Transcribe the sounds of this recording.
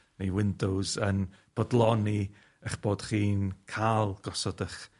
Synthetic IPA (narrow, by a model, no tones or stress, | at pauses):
nejwɪndowzənb̥ɔdlˠɔni | əχb̥oːd̥χiːnkʰalˠɡ̥ɔsɔdəχ